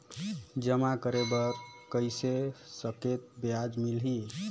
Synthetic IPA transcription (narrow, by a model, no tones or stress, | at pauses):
d͡ʒəmakəɾebəɾkəjsesəket̪̚bjad͡ʒmilɦi